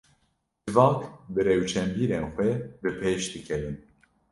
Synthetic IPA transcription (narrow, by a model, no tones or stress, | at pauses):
d͡ʒɨvɑːkbɨɾɛwt͡ʃʰɛmbiːɾeːnxʷwɛbɨpʰeːʃd̪ɨkʰɛvɨn